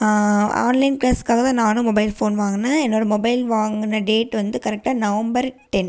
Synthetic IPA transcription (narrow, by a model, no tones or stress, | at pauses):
aːa̰ːnlɐɪnpɾɐskaːɣɐt̪ãːnaːnɯ̃mɔbɐɪlfoːnʋaːŋɡɐnːaːɛnːoːɾɐmɔbɐɪlʋaːŋɡɯnɐɖeːʈʋɐnd̪ɯkɐɾɛk̚ʈaːnɐʋɐmbɐɾʈɛn